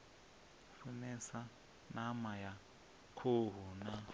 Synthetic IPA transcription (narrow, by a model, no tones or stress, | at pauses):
funɛsa | namaja | kʰoɦuna